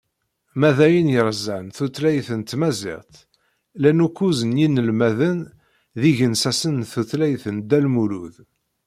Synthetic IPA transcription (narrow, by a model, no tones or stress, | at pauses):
mæðæjənjəɾˤəzænθuθlæjθənt̪mæzɪ̰ʁt̪ | lænukːuzənjinːəlmæðən | ðiʝənsæsənθuθlæjθənd̪ælmuluð